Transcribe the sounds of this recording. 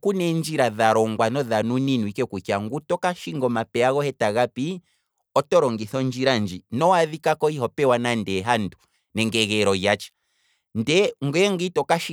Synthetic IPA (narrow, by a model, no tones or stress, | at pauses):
kunɛnd͡ʒiɾaðaɾɔŋɡwanɔðanuninuikɛkukaŋɡutɔkaʃiŋɡɔmapɛaɣɔhɛtaɣapi | ɔtɔɾɔŋɡiθɔnd͡ʒiɾand͡ʒinɔwaðikakɔiɦɔpɛwanandɛɦandu | nɛŋɡɛɣɛɾɔjat͡ʃɛ̥ | ndɛŋɡwɛŋɡitɔkaʃi